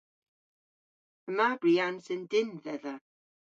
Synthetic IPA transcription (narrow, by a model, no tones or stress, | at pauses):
əmabriːansɪndɪnðɛða